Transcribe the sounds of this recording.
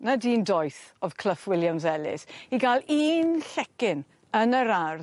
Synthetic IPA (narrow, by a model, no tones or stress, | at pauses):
nadiːndɔjθɔv̥kʰləfwɪljamzɛlɪ̰siɡalˠiːnɬɛkɪn | ənəɾar